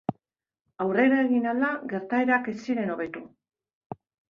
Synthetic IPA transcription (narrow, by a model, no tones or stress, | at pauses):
awre̞ɾae̞ɣinalaɣe̞ɾt̪ae̞ɾake̞siɾe̞no̞β̞e̞t̪u